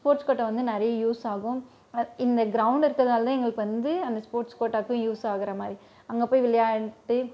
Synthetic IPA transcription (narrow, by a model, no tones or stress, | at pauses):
spoːɾʈskoːʈːɐʋɐnd̪ɯnɛɾɐjɐjuːsaːɣʊ̃ | ɪnd̪ɐɡɪɾɐʊɳɖɪɾɯkːɐðɐnaːlt̪ãːɛŋɡɐɭɯkːɯʋɐnd̪ɯɐnd̪ɐspoːɾʈskoːʈːaːkːʊ̃juːsaːɣɪɾɐmaːd̪ɾi | ɐŋɡɐpoːjʋɪɭɐjaːʈːɯ